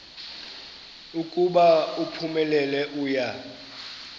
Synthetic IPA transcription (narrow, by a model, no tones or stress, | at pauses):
ukʼuɓaupʰumɛlɛlɛʔuːja